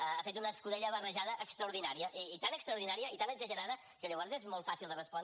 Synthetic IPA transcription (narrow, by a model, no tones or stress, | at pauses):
əafet̪unəskuðɛʎəβərəʒaðəʔəkst̪ɾəuɾðinaɾiəʔiːt̪anəkst̪ɾəuɾðinaɾiəit̪anəɡzəʒəɾaðə | kəʎəβɔɾzezmɔlˠt̪fasilˠd̪ərəspɔn